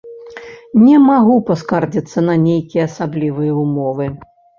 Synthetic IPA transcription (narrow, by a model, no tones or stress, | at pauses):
nʲɛmaɣupaskard͡zʲit̪sːɐnɐnʲejkʲijɐːsablʲivɨjɛumɔvɨ